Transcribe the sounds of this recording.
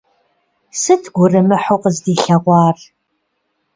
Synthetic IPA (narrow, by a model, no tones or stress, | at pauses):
sɨtʰɡ̥ʷʊrɨmɨħʊqəzdiːɬɐʁʷɑːr